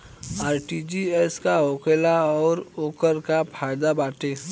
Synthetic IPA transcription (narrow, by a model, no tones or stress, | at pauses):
aːɾʈid͡ʒiɛskaoːkelaɔːɾoːkəɾkapʰaːɪd̪abaːʈe